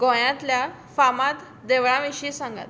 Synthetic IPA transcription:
ɡɔ̃jãt̪lja | famãt̪ | d̪eʋɭãʋiɕisãŋɡa̰t̪

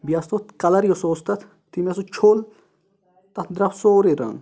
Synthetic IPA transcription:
bijast̪ot̪kɐlɐɾjosoːst̪ɐt̪ʰ | t̪imjɐsut͡ʃʰol | t̪ɐt̪ʰd̪ɾɐfsoːɾiɾa̰ŋ

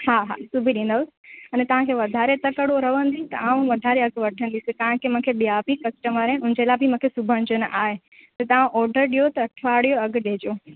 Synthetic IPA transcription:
ɦaːɦa̰subʱiɗĩːn̆d̪əʊsɐnɛt̪ɐʋ̤ãkʰeʋɐd̪ʱaːɾet̪ɐkəɽoɾɐʋə̃nd̪it̪ɐ̰ʔaːũʋɐd̪ʱaːɾeɐɡ̆ʋɐʈʰə̃nd̪isekɐɦãkʰemʊ̃kʰeɓiaːpikɐsʈəməɾẽʊ̃nɪ̃d͡ʑelaːbʱɪmũkʰesʊbʱəɽ̃d͡ʑənəʔaːɦe | t̪ɐt̪ɐʋãʔɔːɾɖəɾɗijot̪ɐɐʈʰʋaːɽijoɐɡɗeɦd͡ʑoː

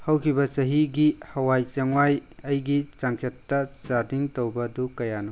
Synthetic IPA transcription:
hawkʰibɐsɐɦiɡihɐwajt͡ʃɐŋwajɐjɡit͡ʃaŋt͡ʃɐtːɐsadiŋtowbɐdukɐjanɐ

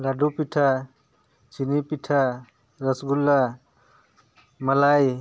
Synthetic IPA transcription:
laɖupiʈʰa | t͡ʃinipiʈʰa | ɾəsɡulːa | məlaj

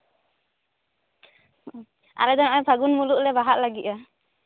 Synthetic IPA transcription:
a̰lɛd̪ɔnajpʰaɡunmuluk̚lɛbaɦaʔ̚laɡit̪̚a

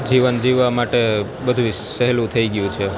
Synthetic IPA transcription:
d͡ʒiʋənd͡ʒiʋːamaʈe | bəd̪ʱuʃəɦlũt̪ʰəiɡjũt͡ʃʰe

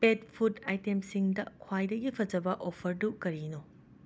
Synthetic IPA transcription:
pet̚pʰutajtemsiŋdɐkʰwajdɐɡipʰɐd͡ʒɐbɐʔopʰɐɾdukɐɾino

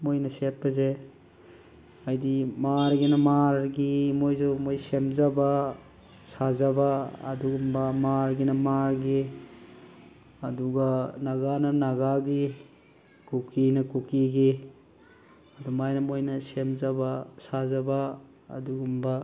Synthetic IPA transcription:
mojnɐset̚bɐze | ajdimaɾɡinɐmaɾɡimojzɔmojsemzaba | sazaba̰ːduɡumbamaɾɡinɐmaɾɡi | ɐduɡanaɡanɐnaɡaɡi | kukinɐkukiɡi | ɐdumajnɐmojnɐsemzabasazaba̰ː | duɡumba

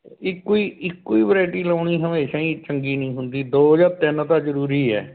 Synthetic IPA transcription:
ɪkːoiːɪkːoiːʋəɾaːɪʈiːlaːɳiːɦəmeːʃãːĩːt͡ʃəŋɡiːnĩːɦʊnd̪iːd̪oːd͡ʒaːɾt̪ɪnt̪ãːzəɾuːɾiːɛ̰ː

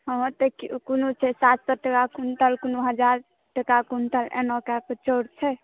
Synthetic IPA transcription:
həmə̃t̪əkkunut͡ʃʰɛsat̪sɔʈəkakunt̪əlkunuɦəd͡ʒaɾ | ʈəkakunt̪əlḛ̃nɔkakət͡ʃɔɾt͡ʃʰɛ

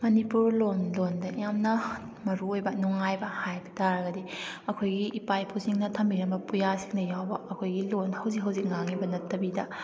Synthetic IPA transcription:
mɐnipuɾlonlondɐjamnɐ | mɐɾuojbɐnuŋajbɐhajbɐ̥taɾɐɡɐdiɐkʰojɡiʔːpajpʰusiŋnɐtʰɐmbiɾɐmbɐpujasiŋnɐjawbɐɐkʰojɡilonhɐwzik̚ɦɐwzik̚ŋaŋibɐnɐtːɐbidɐ

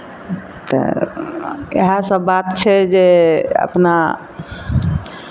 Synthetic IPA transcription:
t̪ə̰ | ḛɦasəbːat̪t͡ʃʰɛd͡ʒeə̰pna

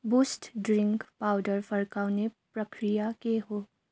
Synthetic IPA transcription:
busʈɖɾɪ̃ŋkpaːʊɖəɾfəɾkaʊnepɾəkɾɪjakeɦoː

